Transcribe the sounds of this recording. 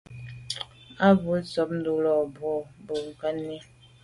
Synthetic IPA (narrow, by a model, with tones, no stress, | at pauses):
a˦bu˨˦sɔ˨˦p̚n̩˦du˦lɔ˨bwɔ˦˨bo˨ŋ̩˨ka˦nːi˦